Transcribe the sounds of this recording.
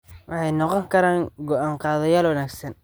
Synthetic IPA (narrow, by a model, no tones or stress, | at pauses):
wʔɑħɑjnɔqɔŋkʰɐɾaːŋɡɔʔaːɴqɑːðɐjaːlwɐnaːɡsɐn